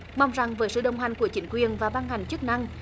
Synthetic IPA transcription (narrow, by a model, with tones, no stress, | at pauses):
ma˧wŋ͡mza˨˩ŋvəː˨˦jsɨ̰˧˨ɗə˨˩wŋ͡mɦa˨˩jŋ̟ku˧˩ət͡ɕï˨˦ŋ̟kwi˨˩ənvaː˨˩ɓa˧nha˨˩jŋ̟t͡ɕɨ˦˥k̚na˧ŋ